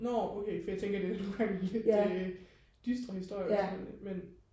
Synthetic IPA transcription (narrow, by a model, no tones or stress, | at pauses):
nɒːoʊkʰeɪfɒjɑt͡sʰeŋɡ̥ɐd̥e̝ænoŋɡ̥ɑ̈ŋled̥e | d̥ysd̥ʁɐhisd̥o̝ɐ̰jenmen